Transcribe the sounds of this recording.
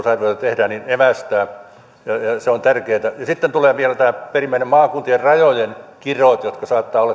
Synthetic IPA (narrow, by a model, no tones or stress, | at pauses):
sɑrʋoit̪ɑt̪ehdæːnineʋæst̪æː | jɑjɑseont̪ærkeːt̪æjɑsit̪ːent̪uleːʋielæt̪æːperimːæinemmɑːkunt̪ierrɑjojenkirot̪jot̪kɑsɑːt̪ːɑːolːɑ